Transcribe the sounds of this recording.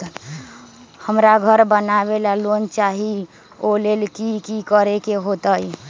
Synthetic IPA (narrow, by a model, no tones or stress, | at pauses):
həmɾaɡʱəɾbənabelalont͡ʃaɦi | olelkikikəɾekeɦot̪əj